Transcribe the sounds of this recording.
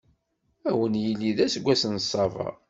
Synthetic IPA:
æwənjilːiðæsəɡʷːæsənsˤːɑvɑ̰

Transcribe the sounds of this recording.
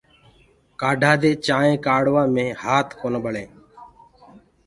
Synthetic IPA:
kaːɖʱaːd̪eːt͡ʃaːẽːkaːɽʋãːmẽːhaːt̪ʰkoːnəbəɭeː

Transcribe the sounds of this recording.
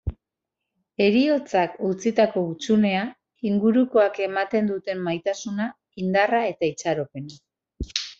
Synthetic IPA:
e̞ɾio̞t͡sakut͡sit̪ako̞ut͡sune̞a | iŋɡuɾuko̞ake̞mat̪e̞nd̪ut̪e̞mːajt̪asuna | ind̪arae̞t̪ait͡saɾo̞pe̞na

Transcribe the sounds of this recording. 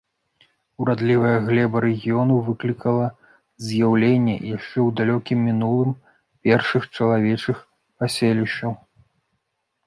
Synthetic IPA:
uɾad̪lʲivɐjɐɣlʲɛbɐɾɛɣʲijɔnuvɨklʲikɐlˠɐ | zʲjawlʲenʲːɛ̰jaʂt͡ʂɛwd̪alʲɔkʲimʲːinulˠɨm | pʲɛrʂɨxt͡ʂɐlˠavʲɛt͡ʂɨx | pasʲelʲiʂɐw

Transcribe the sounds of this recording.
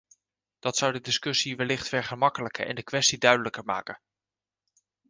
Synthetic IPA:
d̥ɑtsʌwdədɪskɵsiʋɛlɪχtfɛɹχəmɑkələkə̰ʔɛ̰ndəkʋɛstidœɥdələkəɹma̰ːkə

